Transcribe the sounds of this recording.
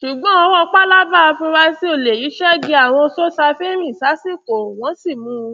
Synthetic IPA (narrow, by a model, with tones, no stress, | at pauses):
ʃu˨ɡ͡bɔ̃˨˦ɔ˧wɔ˦˧k͡pa˦la˦ba˦˨˧fĩ˧ɾa˧˦si˦o˦˨le˨ji˨˦ʃɛ˦ɡi˧a˨w̃ɔ̃˧so˦sa˧fe˦mĩ˦˨sa˨˦si˦˨ko˨w̃ɔ̃˨˦si˦˨mũ˨˧˦